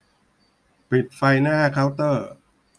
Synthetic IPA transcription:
pi˨˩t̪̚fa˧jnaː˥˩kʰaː˦˥wt̪ɤː˥˩

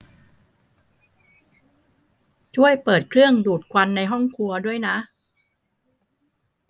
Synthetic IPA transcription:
t͡ɕʰu˥˩əjpɤː˨˩t̪̚kʰɾɯ˥˩əŋduː˨˩t̪̚kʰwa˧nːa˧jɦɔ˥˩ŋkʰu˧ɐdu˥˩əjna˦˥ʔ

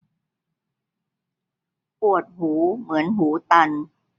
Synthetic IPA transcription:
pu˨˩ət̪̚huː˩˦mɯ˩˦ənɦuː˩˦t̪a˧n

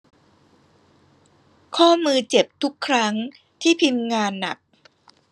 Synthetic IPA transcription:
kʰɔː˥˩mɯː˧t͡ɕe˨˩p̚t̪ʰu˦˥kʰːɾa˦˥ŋ | t̪ʰiː˥˩pʰi˧mŋaː˧nːa̰˨˩k̚

